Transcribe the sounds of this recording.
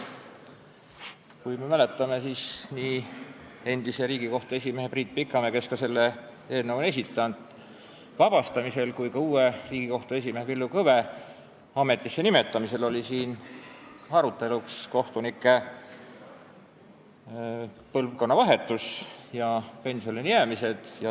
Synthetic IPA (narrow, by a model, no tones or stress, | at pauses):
kujme̞væle̞t̪ːˑɑme̞siːsniː | e̞nd̪ise̞ɾiːɡiko̞ht̪ue̞s̬ʲimeɦepriːt̪̚ˑpikːˑɑmeke̞skɑse̞lːe̞ | e̞ːlnevune̞s̬ʲit̪ːˑɑnd̪̥ | vɑb̥ɑst̪ɑmise̞lkujkɑuːe̞riːɡ̥iko̞ht̪ue̞simeɦepilːukɤve̞ | ɑme̞t̪ˑːisːe̞nime̞t̪ːˑɑmise̞lo̞lʲisiːn | ɑɾut̪ːˑe̞luksko̞ht̪unikːˑe̞ | pɤlvko̞nːɑvɑɦe̞t̪ːˑusjɑpe̞nsio̞niniæːmise̞d̪̥jɑ